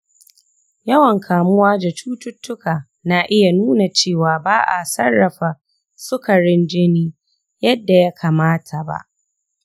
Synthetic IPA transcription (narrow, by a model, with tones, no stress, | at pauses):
jɐ˦wɐ˨ŋkʰaː˨mʊ˦waː˦da˨t͡ʃuː˦tʊ˦tːʊ˦kaː˨ | naː˨ʔɪ˦ja˨nuː˦na˨t͡ʃeː˦˨waː˨baː˦ʔa̰˨sɐ˦rːɐ˨ɸa˨ | sʊ˦kɐ˨ɽɪ˦nd͡ʒɪ˦niː˦ | jɐ˦dːa˨ja˦kʰaː˨maː˦tʰa˨ba̰˨ʔ